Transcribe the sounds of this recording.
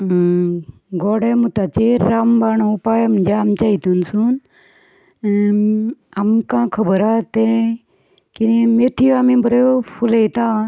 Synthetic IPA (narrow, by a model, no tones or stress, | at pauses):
ɡɔːɽeːmut̪aːt͡ʃeɾaːmbaːɳopaːjəmd͡ʒaːmt͡ʃaːɦit̪unsun | amkãːkʰəbəɾaːt̪e | kinemeːʈʰijoaːmĩbəɾepʰuleit̪aː